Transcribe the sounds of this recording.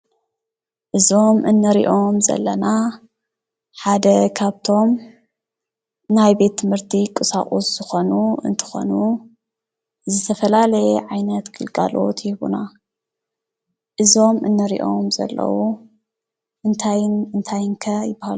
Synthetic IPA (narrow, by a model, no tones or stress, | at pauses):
ʔɨzo̞mʔɨnːɐɾḭʔo̞mzɐ̰lːɐna | ħad̪ɐkʰaβt̪ʰo̞m | najbe̞t̪ʰːɨmhɨɾt̪ʰikʼɨsa̰χʼusz̥ɨxo̞nuɨ̰nt̪ʰɨ̥xo̞̰nu | zɨt̪ʰɐfɐlalɐjɛʕajnɐt̪kʰɨlkʼa̰lo̞̰t̪ʰjɪβṵna | ʔɨzo̞mʔɨnːɐɾḭʔo̞mzɐ̰lːɐ̰wu | ʔɨnt̪ʰajɨnt̪ʰajɨŋkʰɐjɪbːahalu